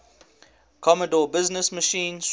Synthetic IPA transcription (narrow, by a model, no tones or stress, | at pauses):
kʰɔmədɔːbɪznəsməʃĩːns